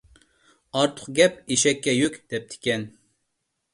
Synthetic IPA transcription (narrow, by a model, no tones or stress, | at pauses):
ɑɾt̪ʰʊ̥χqɡʲɛpeʃɛkʲːɛjykʲd̪̥ɛp̚t̪ʰɪ̥kʲɛn